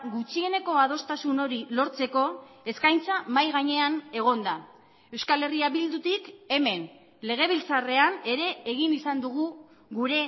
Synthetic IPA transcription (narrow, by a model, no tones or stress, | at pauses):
ɡut͡ʃie̞ne̞ko̞að̞o̞st̪asuno̞ɾilo̞ɾt͡se̞ko̞e̞skajnt͡samajɣaɲe̞ane̞ɣ̞o̞nd̪a | e̞wskale̞riaβild̪ut̪ike̞me̞n | le̞ɣ̞e̞β̞ilt͡sare̞ane̞ɾe̞ːɣinisand̪uɣ̞u | ɣuɾe̞